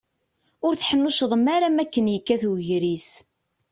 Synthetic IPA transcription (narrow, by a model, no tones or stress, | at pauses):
ʊɾθħənːuʃðˤəmːaɾamækːənjəkːæθuʝɾis